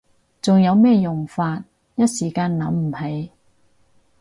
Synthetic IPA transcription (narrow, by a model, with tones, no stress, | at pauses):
t͡sʊ˨ŋjɐ˨˧wmɛː˥jʊ˨˩ŋfaː˧t̚ | jɐ˥t̚siː˨˩kaː˧nlɐ˨˥mm̩˨˩hɐ˨˥j